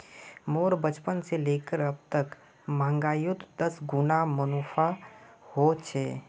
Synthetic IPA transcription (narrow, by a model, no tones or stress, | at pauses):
moːɾbət͡ʃpənseleːkəɾɐb̚t̪ək | mãːŋɡaːjʊt̪d̪əsɡʊnamənoːpʰahot͡ʃʰeː